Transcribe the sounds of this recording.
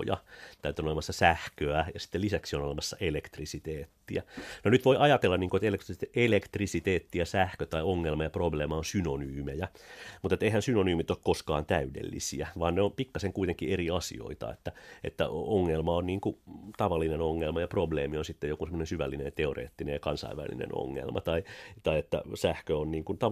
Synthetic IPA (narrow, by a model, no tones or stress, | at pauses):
jɑ̰t̪æyt̪yøonolemɑsːɑsæhkøæjɑsi̥t̪ːelisæksionolemɑsːɑʔelekt̪risit̪eːt̪ːiænonyt̪ʋoiʔɑjɑt̪elːɑnniːŋkoet̪elek̪t̪elekt̪risit̪eːt̪ːiæsæhkøt̪ɑioŋːelmɑjɑprobleːmɑonsynonyːmejæmut̪et̪ːeihænsynonyːmit̪okkoskɑ̰ːnt̪æydḛlːḭsḭæʋɑːnneompikːɑseŋkuit̪eŋkːieriɑsḭo̰it̪ɑ̰ḛt̪ːæet̪ːæ̰oŋːelmɑonniːŋkut̪ɑʋɑlːinenoŋːelmɑjɑprobleːmionsit̪ːejokunsemːonesyʋælːinḛjɑt̪eorḛːt̪ːinejɑkɑnsɑ̰iʋæ̰lːḭnḛno̰ŋːḛlmʔɑ̰t̪ɑit̪ɑiet̪ːæ̰sæhkøonniːŋkunt̪ɑ